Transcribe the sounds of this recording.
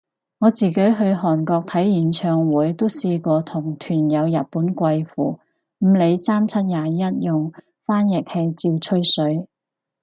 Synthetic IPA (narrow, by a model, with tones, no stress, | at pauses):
ŋɔː˨˧t͡siː˨˩ke˨˥jɦɵ˧ɥɦɔː˨˩nkɔː˧k̚t̪ʰɐ˨˥jjiː˨˥nt͡ʃʰœː˨˧ŋwuː˨˥jt̪o˥wsiː˧kʷɔː˧t̪ʰʊ˨˩ŋt̪ʰyː˨˩njɐ˨˧wjɐ˨t̚puː˨˥nkʷɐ˧jfuː˨˩ | m̩˨˧le˨˧jsaː˥mt͡sʰɐ˥t̚jaː˨˩jɐ˥t̚jʊ˨ŋ | faː˥njɪ˨k̚he˧jt͡siː˧wt͡ʃʰɵ˥ɥsɵ˨˥ɥ